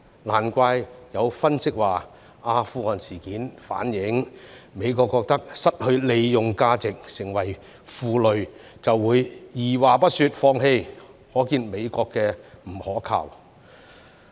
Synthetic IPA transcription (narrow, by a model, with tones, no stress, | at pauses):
laː˨˩nkʷaː˧jjɐ˨˧wfɐ˥nsɪ˥k̚waː˨˩ | aː˧fuː˧ɔː˨nsiː˨˩kiː˨˥nfa̰ː˨˥njɪ˨˥ŋme˨˧jkɔː˧kːɔː˧k̚t̪ɐ˥k̚sɐ˥t̚hɵ˧ɥle˨˧jjʊ˨ŋkaː˧t͡sɪ˨k̚sɪ˨˩ŋwɐ˨˩j | fuː˨˧lɵ˨ɥ | t͡sɐ˨wːuː˨˧jjiː˨˩waː˨˩pɐ˥t̚sy˧t̚fɔː˧ŋɦe˧jhɔː˨˥kiː˧nme˨˧jkɔː˧kːɛː˧m̩˨˩hɔː˨˥kʰa̰ː˨˩w